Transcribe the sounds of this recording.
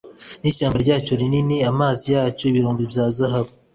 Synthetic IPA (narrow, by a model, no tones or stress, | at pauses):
niʃaːmbaɾɟaːt͡ʃo̞ɾininiamaːzijaːt͡ʃo̞iβiɾoːmbibjaːzaɦaβo